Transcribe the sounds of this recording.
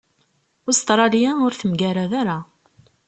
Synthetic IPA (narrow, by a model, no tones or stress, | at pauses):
ʊst̪ɾˤɑlijaʊɾθəmɡæɾaðaɾa